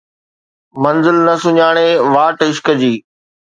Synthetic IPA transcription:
mɐnzɪlnɐsʊɲaːɽ̃eːʋaːʈɪʃkəd͡ʑiː

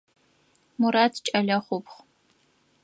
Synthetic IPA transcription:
mʊɾaːtʰt͡ʃʼɐɮɐχʷʊpʰχ

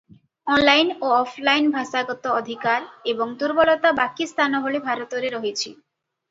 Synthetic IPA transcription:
ɔnlajnoɔpʰlajnbʱaʃaɡɔt̪oɔd̪ʱikaɾeboŋt̪uɾbɔlɔt̪abakist̪ʰanɔɦolebʱaɾot̪oɾeɾɔɦet͡ɕʰi

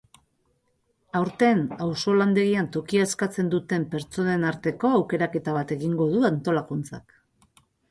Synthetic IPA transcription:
awɾt̪e̞nawso̞land̪e̞ɣiant̪o̞kiaeskat͡se̞nd̪ut̪e̞mpe̞ɾt͡so̞ne̞naɾt̪e̞ko̞awke̞ɾake̞t̪aβ̞at̪e̞ɣiŋɡo̞ð̞uant̪o̞lakunt͡sa̰k

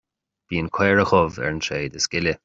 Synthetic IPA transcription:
b̥iːənkʰwɛːɹəxɔvɛ̰ɹnʃeːd̪əskɪlə

